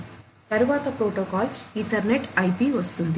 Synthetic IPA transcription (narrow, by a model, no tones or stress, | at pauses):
t̪ɐɾuʋaːt̪ɐpɾoːʈoːkaːliɳʈɐɾneʈɐjpiʋɐst̪und̪i